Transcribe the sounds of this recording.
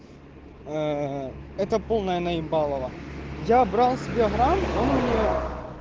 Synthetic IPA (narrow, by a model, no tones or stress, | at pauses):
ɛt̪ɐpolˠnɐjɐnɐibɑlˠɐʋɐjabɾɑlˠsʲɪbʲeɦɾamonmnʲe